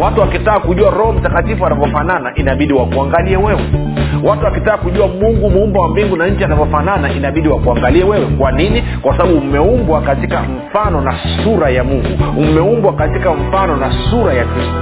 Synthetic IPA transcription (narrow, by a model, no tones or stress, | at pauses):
watuwakitaːkuʄuaɾɔhɔm̩takatifuanavɔfananaʔinaɓiɗiwakuaŋɡaliɛwɛwɛ | watuwakitaːkuʄuamuŋɡumumbawambiŋɡunaɲ̩t͡ʃianavɔfananaʔinaɓiɗiwakuaŋɡaliɛwɛwɛkwanini | kwasaɓaɓumɛumbwakatikam̩fanɔna | suɾajamuŋɡumɛumbwakatikaɱ̩fanɔnasuɾajakɾistu